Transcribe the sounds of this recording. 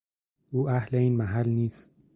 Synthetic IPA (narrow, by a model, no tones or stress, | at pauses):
ʔuːʔæhleiːnmæɦælniːst̪̚